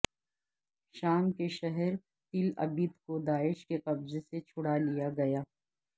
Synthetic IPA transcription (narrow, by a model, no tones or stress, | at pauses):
ʃaːmkeʃɛɦɛɾ | t̪ɪlɐ̰biːd̪kod̪aːɪʃkeqɐbzeset͡ʃʰʊɽalijaɡɐjaː